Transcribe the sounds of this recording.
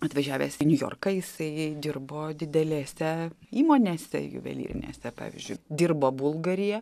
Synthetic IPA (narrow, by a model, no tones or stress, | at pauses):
ɐt̪ʋɐʒʲæːʋʲḛːsnʲʊjo̰ːrkɐjɪsɐɪd̪ʲɪrboːd̪ʲɪd̪ʲɛlʲeːsʲɛiːmoːnʲeːsʲɛ̰jʊ̰ʋʲɛ̰lʲḭːɾʲɪ̰nʲḛːsʲɛpɑ̰ːʋʲɪ̰zʲd͡ʒʲʊɪd̪ʲiːrboːbʊlˠɡɐɾʲɪjɛ